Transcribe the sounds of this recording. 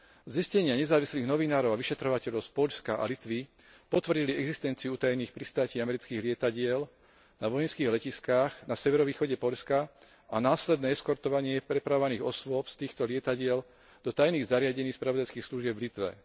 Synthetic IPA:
ziscɛɲɪaɲɛzaːʋisliːɣnɔʋinaːɾɔʊaʋiʃɛt̪ɾɔʋacɛʎɔʊspɔʎskaʔa̰lit̪ʋi | pɔt̪ʋr̩ɟiliɛɡzist̪ɛnt͡siuut̪ajniːxpɾist̪aːciːamɛɾit͡skiːɣlɪɛt̪aɟɪɛl | naʋɔjɛnskiːɣlɛciskaːɣnasɛʋɛɾɔʋiːxɔɟɛpɔʎska | anaːslɛd̪nɛːɛskɔɾt̪ɔʋaɲɪɛpɾɛpɾaʋɔʋaniːɣɔsʋʊɔpst̪iːxt̪ɔlɪɛt̪aɟɪɛl | d̪ɔt̪ajniːɣzaɾɪaɟɛɲiːxspɾaʋɔd̪ajskiːxsluʒɪɛbvlit̪ʋɛ̰

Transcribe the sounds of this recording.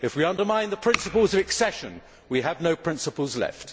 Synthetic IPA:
ɨfwiʌ̃ndə˞mãɪ̃nðəpʰɹ̥ɪ̃nsəpəlˠzʌvɨksɛʃɨ̰̃n | wiəvnoʊpʰɹ̥ɪ̃nsəpəl̩ˠzlɛ̰ft

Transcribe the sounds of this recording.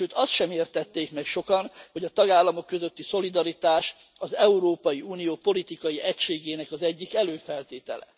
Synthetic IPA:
ʃøːt̪ɒst̪ʃɛmeːrt̪ɛt̪ːeːkmɛkʃo̞kɒnho̞ɟɒt̪ɒɡaːlːɒmo̞kːø̞zø̞t̪ːiso̞lid̪ɒɾit̪aːʃ | ɒzɛuɾoːpɒjiuːnijoːpo̞lit̪ikɒjiʔɛcʃeːɡeːnɛkɒzɛɟːikɛløːfɛlt̪eːt̪ɛlɛ̰

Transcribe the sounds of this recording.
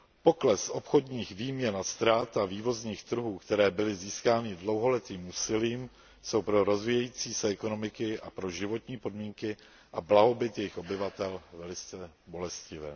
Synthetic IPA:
po̞klɛsʔo̞pxo̞dɲiːxviːmɲɛnast̪ɾaːt̪aviːvo̞zɲiːxt̪ɾ̩ɦuːkt̪ɛɾɛːbɪlɪziːskaːnɪdlo̞wɦo̞lɛt̪iːmuːsɪliːm | so̞wpɾo̞ɾo̞zviːjɛjiːt͡siːsɛɛko̞no̞mɪkɪʔapɾo̞ʒɪvo̞t̪ɲiːpo̞dmiːŋkɪ | ʔablaɦo̞bɪt̪jɛjɪxʔo̞bɪvat̪ɛlvɛlɪt͡st͡sɛbo̞lɛscɪvɛ̰ː

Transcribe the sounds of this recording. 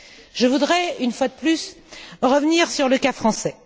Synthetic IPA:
ʒəvud̪ʁɛynfwad̪əplys | ʁəvniʁsyʁləkafχɑ̃sɛ

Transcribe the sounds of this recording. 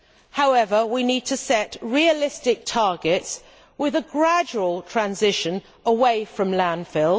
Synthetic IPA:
haʊɛvəwiniːd̚tʰəsɛʔɹiəlɪstɪk̚tʰɑːɡɪts | wɪðəɡɹad͡ʒuəlˠtʰɹ̥ãnzɪʃə̃n | əweɪfɹə̃mlæ̃nfɪlˠ

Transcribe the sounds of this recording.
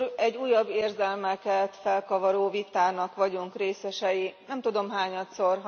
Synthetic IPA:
ɛɟːuːjɒbːeːrzɛlmɛkɛt̪fɛlkɒvɒɾoːvit̪aːnɒkʋɒɟuŋkreːsɛʃɛjinɛmt̪ud̪o̞mɦaːɲɒt̪so̞rɦ

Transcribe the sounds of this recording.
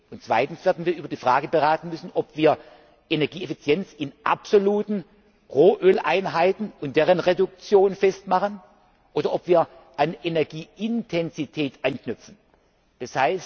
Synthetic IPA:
ʊntt͡sv̥aɪtn̩sv̥eːɐdn̩viːɐyːbɐdiːfʁ̥aːɡəbəʁaːtn̩mʏsn̩ʔɔpv̥iːɐ | ʔenɛɐɡiːefit͡sjɛnt͡sɪnʔa̰pz̥oluːtn̩ | ʁoːʔøːlʔaɪnɦaɪtn̩ʊnt̚d̥eːʁənʁedʊk̚t͡sjoːnfɛstmaχən | ʔoːdɐɔpv̥iːɐ | ʔanʔenɛɐɡiːɪntʰɛnzitʰɛːtʔanknʏpp͡fn̩ | d̥ashaɪst

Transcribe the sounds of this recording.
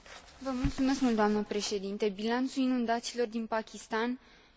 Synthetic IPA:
vəmult̪sume̞skmult̪d̪oamnəpɾe̞ʃe̞d̪int̪e̞bilant̪suinund̪at̪silo̞rd̪inpakʲist̪an

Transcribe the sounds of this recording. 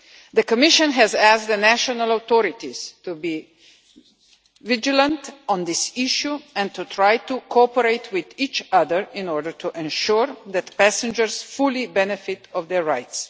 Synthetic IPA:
d̪əkɔmɪʃə̃nɦɛzæsd̪ənæʃɔnalaʊt̪ɔɾɪt̪iz̥tubi | vɪd͡ʒilə̃ntɔ̃nd̪ɪsiʃjuɛ̃nt̪ut̪ʰɾajtukʰoɔpəɾeɪtʰwɪðit͡ʃaðəɹɪ̃nɔɹdəɹtʰuʔɛ̃nʃuɹd̪ɛt̪pæsɛ̃nd͡ʒəɾsfulibɛnɛfɪt̪ʰɔvd̪ɛɹːaɪts

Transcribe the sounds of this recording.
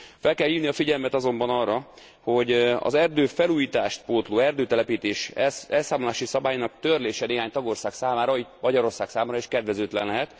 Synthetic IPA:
fɛlkɛlhiːvniɒfiɟɛlmɛt̪ɒzo̞mbɒnɒrːɒ | ho̞ɟɒ̰zɛrd̪øːfɛluːjiːt̪aːʃt̪poːt̪loːɛrd̪øːt̪ɛlɛpiːt̪eːʃɛɛlsaːmolaːʃisɒbaːjinɒk̚t̪ørleːʃɛneːɦaːɲt̪ɒɡo̞rsaːksaːmaːɾɒit̪mɒɟɒɾo̞rsaːksaːmaːɾɒiʃkɛd̪ʋɛzøːt̪lɛ̰nlːɛɦɛt̪

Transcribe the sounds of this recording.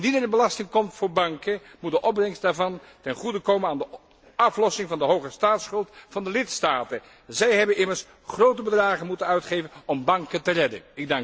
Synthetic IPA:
ndidəɹdəbəlɑstɪŋkɔmtfʊːɹbɑŋkəmut̚dəʔɔbrɛŋstdaːɹvɑn | tɛnχudəkowmənaːndə | ɑflɔsɪŋvɑndəɦowχəstaːtsχɵlˠtfɑndəlɪtstaːtən | zɛjɦɛbənʔɪməɹs | χrowtəbədraːχənmutənœɥtχejvənɔmbɑŋkəntərɛdə̰nɪɡ̚dɑŋ

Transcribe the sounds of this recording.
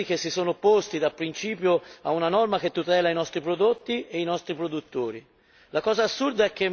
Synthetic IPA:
ik̟esːisoːnopost̪id̪apːɾint͡ʃiːpjoaunanɔrmak̟et̪ːut̪ɛːlainɔst̪ɾipɾod̪ot̪ːieinɔst̪ɾipɾod̪ut̪ːoːɾi | lakɔːzaːsːurd̪aɛk̟ːe

